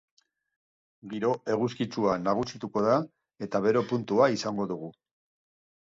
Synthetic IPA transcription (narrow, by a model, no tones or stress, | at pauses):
ɡiɾo̞e̞ɣuskit͡suanaɣ̞usit̪uko̞ða | e̞t̪aβe̞ɾe̞punt̪uaisaŋɡo̞ðuɣ̞u